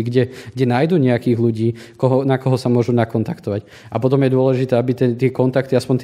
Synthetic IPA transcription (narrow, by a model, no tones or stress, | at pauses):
iɡɟɛɡɟɛnajd̪uːɲɛakiːɣluɟiːkɔɦɔnakɔɦɔsamʊɔʒunakɔnt̪akt̪ɔʋac | apɔt̪ɔmjɛd̪ʊɔlɛʒit̪ɛːabit̪ɛt̪ɪɛkɔnt̪akt̪iaspɔɲt̪